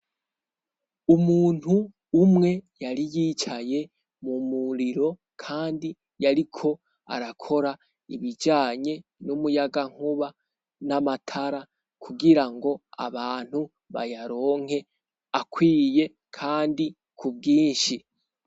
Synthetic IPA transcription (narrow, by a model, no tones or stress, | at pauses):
umuːn̥huː | mŋe̞jaɾijiːt͡ʃaje̞ | mumuɾiɾo̞ | kʰaːndi | jaɾikʰo̞ | a̰ɾakʰo̞ɾa | iβid͡ʒaːɲe̞numujaɡaŋ̥uβa | namatʰaɾa | kʰuɡiɾaŋɡo̞a̰βaːn̥hu | βa̰jaɾo̞ːŋ̥e̞ | akwiːje̞ | kʰaːndi | kʰub̚ɡiːnʃi